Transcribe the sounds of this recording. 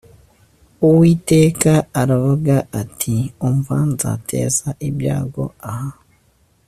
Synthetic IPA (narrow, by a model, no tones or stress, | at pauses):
uwiːte̞ːkaaɾavuɡaʔatʰioɱvaːnza̰tʰe̞̰ːzaʔibja̰ːɡo̞̰aha